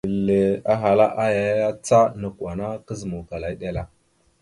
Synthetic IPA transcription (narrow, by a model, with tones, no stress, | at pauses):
lːe˨a˦ɦa˨la˦ʔa˦ja˨jja˦t͡sa˦nə˨kʷa˨na˦kə˦zə˨mu˨ka˨la˨i˦ɗe˦la˦